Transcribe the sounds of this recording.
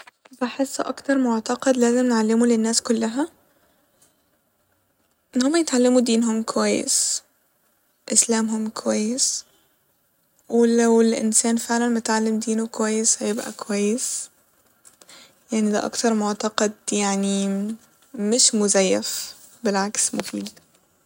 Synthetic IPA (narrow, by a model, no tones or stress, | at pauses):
baħesːʔɑkt̪ɑɾˤmoʕt̪ɑqɑd̪læːzemnʕalːemulenːæːskolːæɦæ | ʔenːhomːæjet̪ʕalːæmud̪iːnɦomkowæjːḛs | ʔeslæːmɦomkowæjːes | welæwelʔḛnsæːnfeʕlænmet̪ʕalːemd̪iːnukowæjːeshæjebʔæ̰kowæjːes | jaʕnid̪æ̰ʔɑ̰kt̪ɑɾˤmoʕt̪ɑqɑd̪jaʕni | mɪʃmʊzæjːæf | belʕaksmofiːd̪